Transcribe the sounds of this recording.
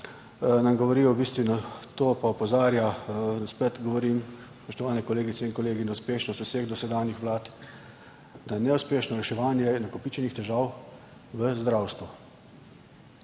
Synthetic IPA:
namɡɔʋɔɾiːɔwbiːst̪ʋinat̪oːpaupɔzaːɾjaspɛt̪ɡɔʋɔɾimspɔʃt̪ɔʋaːnɛkɔleːɡit̪sɛinkɔleːɡinawspeːʃnɔst̪useɣd̪ɔsɛd̪aːnjixʋlaːt̪ | d̪ajnɛuspeːʃnɔɾɛʃɛʋaːnjɛnakɔpit͡ʃɛnixt̪ɛʒaːw | ʋəzd̪ɾawst̪ʋu

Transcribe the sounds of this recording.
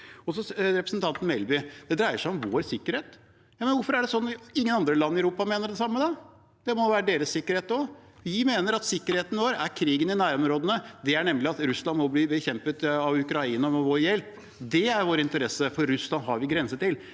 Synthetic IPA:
ɔsɔɾɛpɾəsən̩t̪ʰɑnt̪n̩mɛlbɪd̪̥ɛd̪ɾæɪəʂæɪɔmʋoːɾsɪkːəɾheːt̪ | jɑːmənʋʊɾfɔɾæɖɛsɔnːɪŋːənɑnd̪ɾəlɑnːɪæʉɾuːpɑmeːnəɖ̪ɛsɑmːəd̪ɑ | d̪̥ɛmɔʋæːɾəɖeːɾəsːɪkːəɾheːt̪ɔʋɪmeːnəɾɑt̪sɪkːəɾheːt̪ən̩ʋoːɾæɾkʰɾiːɡənɪnæːɾɔmɾoːd̪ənəd̪ɛæɳɛmːlɪɑt̪ɾʉslɑnmɔbliːbəçɛmpət̪ɑʋʉkɾɑiːnəɔmɛʋoːɾjɛlp | d̪ɛæɾʋoːɾəɪnt̪əɾɛsəfɔɾːʉslɑnɦɑɾʋɪɡɾɛnsət̪ɪl

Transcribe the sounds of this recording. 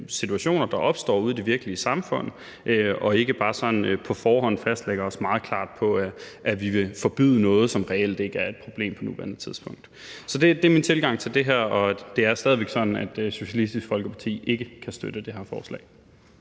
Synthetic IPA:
sit͡sʰuæɕo̝̰ːnɐd̥ɑ̈ʔɒ̽b̥sd̥ɒ̰ːuð̞ˠd̥e̝ʋiɐɡ̥əliəsɑ̈mfɔ̽n̰ | ʔøɒ̽e̝ɡ̥əb̥ɑ̈ːsɒ̽n̩pʰɒ̽fɒːɦɒ̽n̰fæsd̥leɡ̥ɐɒ̽smɑ̈ːð̞̩ˠkʰl̥ɑ̰̈ːd̥pʰɒ̽ʔæʋiʋe̝fɒb̥y̰ðˠənɔ̽ːð̞̩ˠsɒ̽mʁɛel̰d̥e̝ɡ̥æɐe̝d̥pʰʁo̝b̥le̝̰ːmpʰɒ̽nuʋæɐnət͡sʰiðˠsb̥ɔ̽ŋ̰d̥ | sɒ̽d̥e̝d̥eɐmint͡sʰe̝lɡ̥ɑ̈ŋ̰t͡sʰe̝ld̥e̝ɦæɐ̰ɒ̽d̥e̝æɐsd̥ɛːð̞ˠiʋeɡ̥sɒ̽d̥n̩æd̥so̝ɕælisd̥isɡ̥fɒ̽lɡ̥əpʰɑ̈t͡sʰḭːe̝ɡ̥əkʰæsd̥ød̥əd̥e̝ɦæɐfɒ̰ːslɛ̰ːɪ

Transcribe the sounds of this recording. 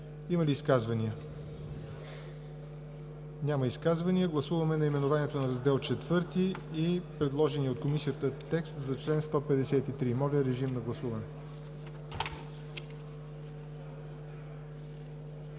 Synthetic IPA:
iməliːskazvɐniə | nʲaməiskazvɐniəɡlˠɐsuvəmɛnɐimɛnovanɛt̪onɐɾɐzd̪ɛlˠt͡ʃɛt̪vɤɾt̪iːpɾɛd̪lˠɔʒɛniot̪̚komisijət̪ət̪ɛkst̪zɐt͡ʃlɛnst̪ɔpɛd̪ɛsɛt̪it̪ɾimɔɾʲəɾɛʒimnɐɡlˠɐsuvɐnɛ

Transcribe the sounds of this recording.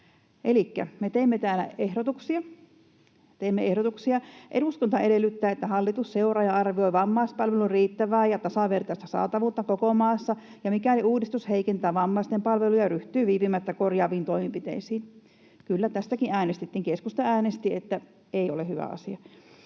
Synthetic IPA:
ʔelikːæ̰met̪eimːet̪æːlæ̰ehɾot̪uksiɑ | t̪eimːeehɾot̪uksiɑʔeduskont̪ɑeɾelːˑyt̪ːæːet̪ːæhɑlːit̪usseurɑjɑɑrʋioiʋɑmːɑˑispɑlʋeluriːt̪ːæʋæːjɑt̪ɑsɑʋert̪ɑist̪æsɑ̰ːt̪ɑʋuːt̪ːɑkokomɑˑːsːɑ | jɑmikæoliuːdist̪usheikent̪æːʋɑmːɑˑist̪empɑlʋelujɑryht̪yːʋiːpimæt̪ːækorjɑːʋiːnt̪oimimpit̪ḛisiːn | kylːæt̪æst̪ækiʔʔæːnest̪et̪ːiŋkeskust̪ɑæːnest̪iet̪ːæ | eiolehyʋæ̰ɑ̰siɑ

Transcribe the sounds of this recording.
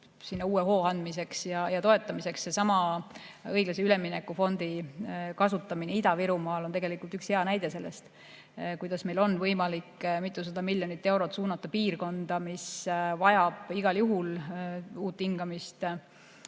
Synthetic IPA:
sinːɑuːeɦo̞ːɑnd̪mise̞ksjɑjɑt̪o̞e̞t̪ːˑɑmise̞kssesɑmɑ | ɤjɡlɑseylemːinekːˑufo̞nd̪̥ikɑsut̪ːˑɑmineid̪ɑviɾumɑːlo̞nt̪eɡelikːˑult̪ykshe̞ɑnæjd̪̥e̞se̞lːest̪ | kujd̪̥ɑsme̞jlo̞nːvɤjmɑlikːmit̪ːˑusɑd̪̥ɑmilʲjonit̪ːˑe̞wɾo̞t̪suːnɑt̪ːˑɑpiːrko̞nd̪̥ɑmisvɑjɑb̥iɡ̥ɑljuɦul | uːt̪ːhiŋɡ̥ɑmist̪

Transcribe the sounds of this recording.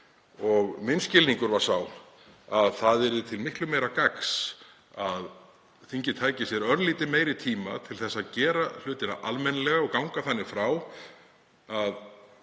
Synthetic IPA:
ɔɣmɪnscɪlniŋkʏɾvaɾ̥saw | aðθaðɛɾðʏt̪ʰɪlmɪhklʏmejɾakaks | að | θiɲcɪt̪ʰaːjcɪsjɛɾœɾðliːt̪ɪmeːjɾɪt̪ʰiːmat̪ʰɪlθɛsːaðcɛːɾal̥ʏːt̪ɪna̰ʔalmɛnalɛɣaɔɣkawŋkaθanːɪɣfɾaw | að

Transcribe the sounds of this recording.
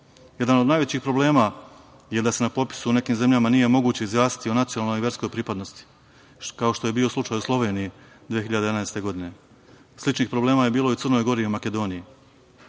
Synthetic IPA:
je̞d̪anod̪naːjʋet͡ɕiːxpɾo̞ble̞ːma | je̞d̪ase̞napo̞pi̥sune̞kiːmze̞mʎamanije̞mo̞ɡuːt͡ɕe̞izjaːsi̥t̪io̞nat̪sionalˠnojiʋje̞ɾsko̞jpɾiːpad̪no̞st̪i̥ | kao̞ʃt̪o̞je̞biːo̞slˠut͡ʃaːjuslˠo̞ʋe̞ːniji | d̪ijexiʎad̪ed̪anaest̪e̞ɡo̞d̪ine̞ | slit͡ʃniːxpɾo̞ble̞ːmaːjebiːlˠo̞isər̩no̞jɡo̞ɾiumake̞d̪o̞ːniji

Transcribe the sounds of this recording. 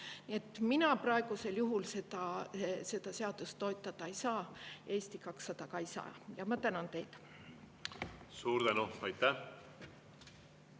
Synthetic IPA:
nie̞t̪ːˑminɑprɑeɡ̥use̞ljuɦulse̞d̪̥ɑse̞d̪̥ɑse̞ɑd̪̥ust̪ːo̞jt̪ːˑɑd̪̥ɑejsɑːe̞ːst̪ikɑksːɑd̪̥ɑkɑejsɑ̰ːjɑmɑt̪ænɑnt̪e̞jt̪ | suːɾd̪ænuɑjt̪ːæ

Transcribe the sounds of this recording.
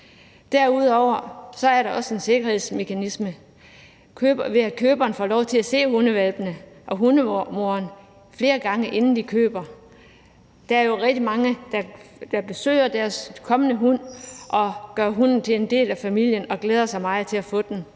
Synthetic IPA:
d̥æɐuð̞̰ˠɒʊ̰ɐsɒ̽æɐɾɑ̈ʔɒ̽səe̝nse̝ɡ̥ɐhe̝ð̞̰ˠsme̝kʰænismə | kʰøːb̥ɐʋe̝ækʰøːb̥ɐːnfɒ̰ːlɒʊt͡sʰe̝læse̝̰ːhunəʋælb̥ənəʔɒ̽ɦunəmo̝ɐn | fle̝ːɐɡ̥ɑ̈ŋəʔe̝nn̩d̥ikʰøːb̥ɐ | d̥ɑ̈æɐjo̝ʁɛɡ̥̚d̥imɑ̈ŋəd̥ɑ̈d̥ɑ̈b̥e̝sø̰ːɪ̰ɐd̥æɐskʰɒ̽mənəɦun̰ʔɒ̽ɡ̥ɶɐɦun̰n̩t͡sʰe̝e̝nd̥e̝̰ːlæfæmil̰jənɒ̽ɡ̥leːð̞ˠɐsɑ̈ɪmɑ̈ɪðˠt͡sʰe̝læfɔ̰̽ːd̥n

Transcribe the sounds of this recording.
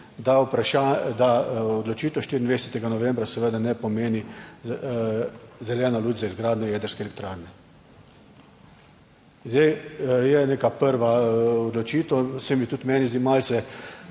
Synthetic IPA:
d̪aupɾaʃad̪aɔd̪lɔt͡ʃiːt̪ɔʃt̪iɾind̪ʋɛɛsɛt̪ɛɡanɔʋɛmbɾasɛʋed̪anɛpɔmeːni | zɛljɛːnaluːt͡ʃzaizɡɾaːd̪nɔjɛːd̪əɾskɛlɛk̚t̪ɾaːɾnɛ | nzd̪ejjɛneːkapəɾʋaɔd̪lɔt͡ʃiːt̪ɔsɛmit̪ut̪mɛːnizd̪imalsɛ

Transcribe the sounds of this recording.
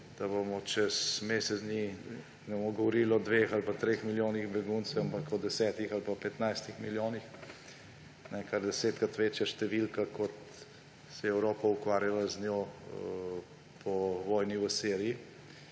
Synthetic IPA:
d̪̥ɐbomɔt͡ʃɛsmesɛsni | nɛbomɔɡɔʋɔɾilɔd̪ʋexalpat̪ɾeːxmiljoːniɣbɛɡunsɛwampakɔd̪ɛsɛːt̪ixalpapɛt̪najst̪ixmiljoːnix | nɛkaɾd̪ɛseːt̪kat̪ʋeːt͡ʃjaʃt̪ɛʋilkakɔt̪ | sɛjɛɛwɾoːpaukʋaːɾjalaznjoː | pʰɔʋɔːjniʋəseːɾiji

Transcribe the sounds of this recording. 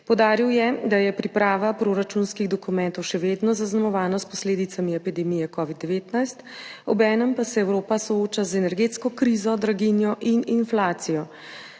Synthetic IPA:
pɔwd̪aːɾiwjɛd̪ajɛpɾipɾaːʋapɾoɾat͡ʃunskiɣd̪ɔkumɛ̃nt̪ɔwʃɛʋed̪nɔzaznamɔʋaːnɔspɔsleːd̪it̪samiɛpid̪ɛmijɛkɔːʋid̪ːɛʋeːt̪najst̪ɔbɛːnəmpasɛɛwɾoːpasɔoːt͡ʃazɛnɛɾɡet̪skɔkɾizɔd̪ɾaɡinjɔʔininflaːt̪sijɔ

